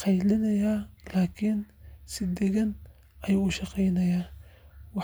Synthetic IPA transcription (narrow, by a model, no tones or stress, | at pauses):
qɑjlɪnɐjaːlaːkʰɪnsɪd̪ɛɣɐn | ɐjaʊʃɑqɛjnɐjaːwɑ